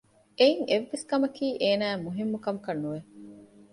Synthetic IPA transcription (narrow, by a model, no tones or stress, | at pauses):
eiŋeʋːeskɐmɐkiːʔeːnæːmuɦimːukɐmukɐnːuʋe